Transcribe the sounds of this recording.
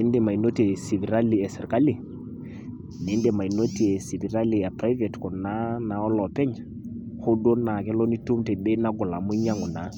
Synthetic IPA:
ɛ˦nde˨ma˨i˨no˦te˨si˨vi˨ɾa˦li˨ɛ˨sɛ˨rka˦li˨ | nɛ˦nde˨ma˨i˨no˦ti˦ɛ˨si˨vi˨ɾa˦li˨a˨pɾa˦ve˨tkɔ˨na˦na˨ɔ˦lɔ˨pɛ˦ɲ | ho˦do˦na˨k̬ɛ˦lɔ˦ni˦tu˦mtɛ˨bɛ˦na˦ɡʊ˨la˨mʊ˦ɲa˦ŋʊ˨na˨˦

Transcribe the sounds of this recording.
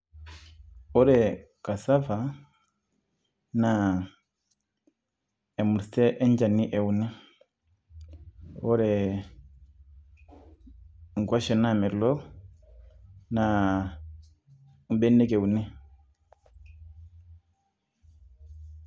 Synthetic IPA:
ɔ˦ɾɛ˨ | ka˨sa˦fa˨ | na˨ | ɛ˨mu˨ɾstɛ˦ʔɛ˦ɲd͡ʒa˨ni˦ʔɛ˨u˨nɛ˦ | ɔ˦ɾɛ˨ | ŋ˨ɡwa˦ʃɛ˨na˦˨mɛ˨lɔ˦ | na˨ | m̩˦ɓɛ˦nɛ˦kɛ˨u˨nɛ˦

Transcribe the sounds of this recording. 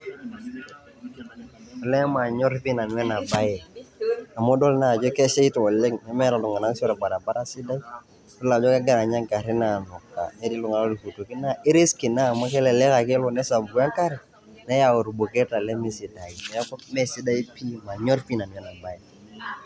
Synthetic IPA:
lɛ˦ma˨ɲɔ˦ɾpi˦na˨nwɛ˦na˨ba˦jɛ˨ | a˨mɔ˦dɔ˦lna˦˨d͡ʒɔ˦kɛ˦ʃɛ˦i˦tɔ˨lɛ˦ŋnɛ˦mɛ˦ɾa˨lʊ˨ŋa˨na˦ŋsɔ˦ɾɛ˨ba˨ɾa˨ba˦ɾa˦sɪ˦da˦i˦ | tɔ˦la˨d͡ʒɔ˦kɛ˦ɡɛ˦na˨ɲa˦ŋka˨ɾɪ˦na˨nɔ˨kːa̰˨nɛ˦di˦lʊ˨ŋa˨la˦ɾu˨ku˨to˨kɪ˦na˦˨ɪ˦ɾi˦skɪ˨na˦˨ma˦kɛ˦lɛ˨lɛ˦ka˨kɪ˦lɔ˨nɛ˦sa˨bɡu˨˦a˦ŋka˦ɾɛ˨ | nɛ˦ja˨o˨ɾu˨bo˨kɛ˦ta˨lɛ˦mi˦sɪ˨da˨i˨nɛ˨jkɔ˦mɛ˦si˦da˦i˦pi˦ma˨ɲɔ˦ɾpi˦na˨nwɛ˦na˨ba˦jɛ˨

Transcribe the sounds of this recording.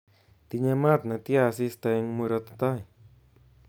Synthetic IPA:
t̪i˧ɲa˧mã˦t̪̚na˨˧t̪ja˧s̬i˧st̪a˧ŋmu˧ɾa˧t̪at̪a˦j

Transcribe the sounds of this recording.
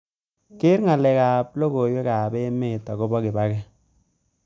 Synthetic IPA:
kɪ˦ɾŋa˨lɛ˨kaː˨plo˦ko˨jwe˦kaː˨be˦me˦˨tːa˨ko˦bɔ˦kɪ˨ba˦kɛ˦

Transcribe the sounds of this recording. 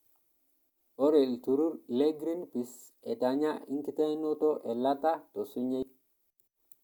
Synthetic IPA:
ɔ˦ɾe˨ltu˨ɾu˦ɾle˦ɡɾi˦npi˨s | ɛ˨ta˨ɲa˦ḭ˦ŋki˦ta˦jno˦tɔ˦ʔe˨la˦ta˦to˨su˦ɲe˦j

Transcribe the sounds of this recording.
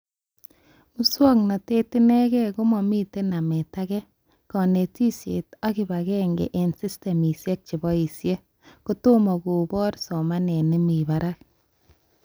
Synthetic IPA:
mu˦swɔ˦kna˨te˦ti˦nɛ˦ɡɛ˦ku˦mɔ˨mi˦te˦na˨me˨ta˦ɡɛ˦ | kɔ˨ne˨ti˦sjḛ˨ta˦ɡi˨ba˨ɣɛ˦ŋɡḛ˨ʔe˨nsi˦ste˨mi˨sje˦k̚t͡ʃi˨bɔ˦i˨sje˦ | ku˦to˦mɔ˨ɡu˨bɔ˦ɾsɔ˨ma˦nɛ˨ne˦mi˨βa˨ɾa˦k̚

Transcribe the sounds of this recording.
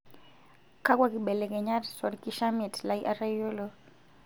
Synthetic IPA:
ka˦kwaki˨ɓe˨le˨kɛ˨ɲa˦ɾsɔ˨ɾkiʃa˦mitlajʔa˦ɾajo˦lo

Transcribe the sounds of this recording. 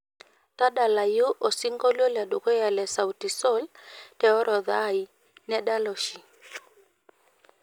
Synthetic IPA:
ta˦ɗa˨la˨ju˦ʔɔ˨si˦ŋɡɔ˦lɔ˦la˨ɗo˨kɔ˦ja˨lɛ˨sa˨uti˨sɔ˦ltɛ˨ɔ˦ɾʔɔ˨ða˦i˨ | nɛ˦ɗa˦lɔ˨ʃi˨

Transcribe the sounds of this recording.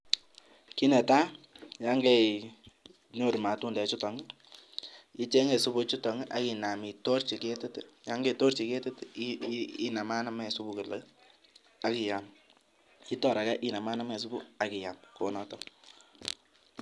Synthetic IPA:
ki˦nɛ˨ta˦ja˦ŋɡɛ˦ | no˨ɾma˨tu˦ndɛ˨˦t͡ʃu˦tɔ˨ŋ˦ | i˦t͡ʃe˦ŋe˨su˦bu˦t͡ʃu˦tɔ˨ŋ˦ʔa˨ki˨na˨mi˨to˦rt͡ʃi˨ke˦tɪ˦tja˦ŋɡe˦˨to˦rt͡ʃi˨ke˦tɪ˦t | i˦na˨ma˦na˦mɛ˨su˦bu˨ke˨l | a˨˦ki˨ja˨m | i˦tɔ˦ɾa˨kɛ˦ʔi˦na˨ma˦na˦mɛ˨s̬u˦bu˦a˨ki˨ja˨mko˨nɔ˦tɔ˨˦

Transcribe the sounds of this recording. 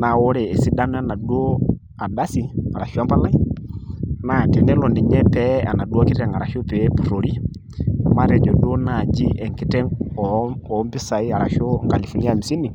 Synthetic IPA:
na˨wo˦ɾɛː˨si˦da˦n˦a˦˨na˨do˦ | a˨da˦si˨a˨ɾa˨ʃa˦mpa˦la˦i˦ | na˨ti˨nɛ˦lɔ˨ndi˨ɲɛ˦pɛ˦a̰˨na˨du˦a˦ki˦tɛ˨ŋa˨ɾa˨ʃo˦pe˨˦pu˨ɾo˨ɾi˦˨ | ma˦ɾɛ˨d͡ʒɔ˨do˦na˨d͡ʒi˦ʔɛ˨ŋ˨ki˦tɛ˦ŋɔ˨ɔ˨˦mbi˦sa˨i˦a˨ɾa˨ʃɔ˦ŋka˨li˨fɔ˨ni˦a˦˨mi˨si˦ni˨

